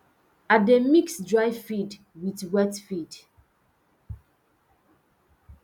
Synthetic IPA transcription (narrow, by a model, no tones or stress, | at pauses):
ademiksdɹajfid | witwɛtfid